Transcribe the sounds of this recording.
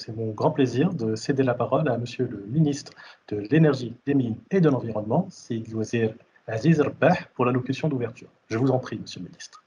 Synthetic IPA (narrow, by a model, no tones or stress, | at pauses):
sɛmɔ̃ɡʁɑ̃pleziʁd̪əsed̪elapaʁɔlaməsjøləminist̪χd̪̥əlenɛʁʒid̪̥emined̪əlɑ̃viʁɔnmɑ̃sid̪azi | azizrbaħpuʁlalɔkʲysjɔ̃d̪uvɛʁt̪y̰ːʁ | ʒəvuzɑ̃pχiməsjølminist̪χ